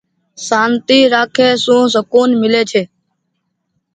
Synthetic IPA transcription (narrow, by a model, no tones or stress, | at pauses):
saːnt̪iːɾaːkʰeːsũːs̬əkuːnmɪleːt͡ʃʰeː